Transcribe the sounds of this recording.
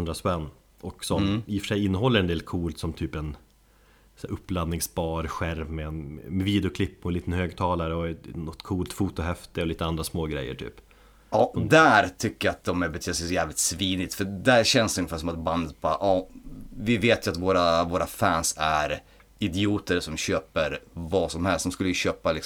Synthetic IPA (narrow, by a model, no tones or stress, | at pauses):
ɵnd̪ɾaspɛnː | ɔksɔmɪfœ̥ʂɛjɪnːəɦɔlːəɾɛnd̪eːlkʰuːlt̪sɔmt̪ʰyːpɛn | sæʔɵpːlad̪nɪŋsbɑːɾɧæɾvmɛnmɛviːd̪ɛʊkʰlɪpːɔliːt̪ənhøːɡt̪ʰɑːlaɾəɔnɔt̪ːkʰuːlt̪fuːt̪ʊhɛft̪ɪɔliːt̪əand̪ɾasmoːɡɾɛ̰jːə̰ʈʰy̰ːp | ʔɑːd̪æɾt̪ʰʏkːəjaat̪̚d̪ɔmɛbɛt̪ʰyːsɛjsɔjæːvlɪt̪sviːnɪt̪fœd̪æɾɕɛnsɵŋːəfæːʂ̬ɔmat̪̚band̪ət̪̚bɑːɾaʔɑːvɪveːt̪jəat̪voːɾavoːɾafæːnsæ̰ɾ | ɪd̪ɪuːt̪əɾsɔmɕøːpəɾvɑsɔmhɛlstd̪ɔmskɵlːəjɵɕøːpalɪk